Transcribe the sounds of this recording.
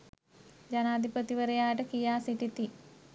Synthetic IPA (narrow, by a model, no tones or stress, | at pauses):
d͡ʑɐnaːd̪ʱipɐt̪iʋɐɾɐjaːʈɐkijaːsiʈit̪i